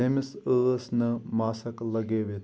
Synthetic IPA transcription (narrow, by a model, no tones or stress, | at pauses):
emɪsəsnəmaːsəkləɡeːʋet̪